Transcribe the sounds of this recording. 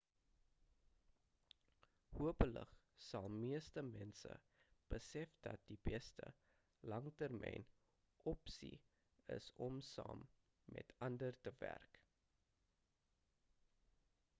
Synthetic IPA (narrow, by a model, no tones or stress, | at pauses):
huəpələ̰χ | sɐlˠmiəstəmɛnsə̰ | b̥əsɛfd̥ɐt̚d̥ib̥ɛstə | lɐŋtərmʔɛjn | ʔɔpsḭ | ə̰sɔmsɑ̰ːmː | ɛ̰tʰɐndərtəværk